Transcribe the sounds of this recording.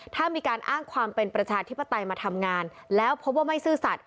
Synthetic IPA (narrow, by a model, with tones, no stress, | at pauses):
t̪ʰaː˥˩miː˧kaː˧nʔaː˥˩ŋkʰwaː˧mpe˧npɾa˧t͡ɕʰaː˧t̪ʰi˦˥pːa˧t̪a˧jmaː˧t̪ʰa˧mŋaː˧nlɛː˦˥wpʰo˦˥p̚waː˥˩ma˥˩jsɯː˥˩sa˨˩t̪̚